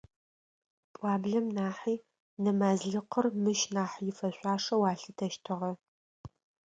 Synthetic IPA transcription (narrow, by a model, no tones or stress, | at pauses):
pʼwaːbɮɐmnaːħiː | nɨmaːzɮɨqərmɨʃnaːħjɪfɐɕʷʼɑːʂɐwaːɬɨtʰɐʃtʰɨʁɐ